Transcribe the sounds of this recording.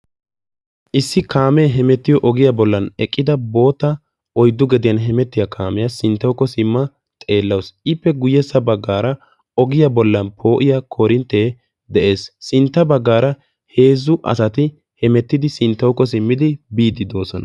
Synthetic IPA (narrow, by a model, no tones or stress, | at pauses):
ʔɪsːɪkaːmɛɦɛmɛt̪ːɪjɔʔɔɡɪjabɔlːɐnɛkʼːɪd̪ɐbo̞ːt̪ːɐ | ɔjd̪ːʊɡɛd̪ɪjɐnɦɛmɛt̪ːɪjɐkʰaːmɛjasɪnt̪ːɐwkːɔsɪmːɐ | t̪ʼe̞ːlːɐwsʔɪpːɛɡʊjːɛsːɐbɐɡːaːɾɐ | ɔɡɪjɐbɔlːɐnpʰo̞ːʔɪjakʰoːɾɪnt̪ːeː | d̪ɛʔe̞ːsːɪnt̪ːɐbɐɡːaːɾɐ | he̞ːzːʊʔɐ̰sɐt̪ɪ | hɛmɛt̪ːɪd̪ɪsɪnt̪ːɐwkːɔs̬ɪmːɪd̪ɪbiːd̪ɪd̪o̞ːsɔnɐ